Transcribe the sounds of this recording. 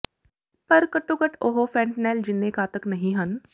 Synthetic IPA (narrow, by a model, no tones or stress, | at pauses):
pɐɾkəʈːokəʈoɦofɛ̃ːɳʈnɛːld͡ʒɪnːekaːt̪əknɐɦĩɦən